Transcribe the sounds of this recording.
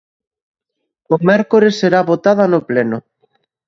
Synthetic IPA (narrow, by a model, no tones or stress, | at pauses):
ʊmɛɾkoɾesːeɾaβot̪aðanoplɛnʊ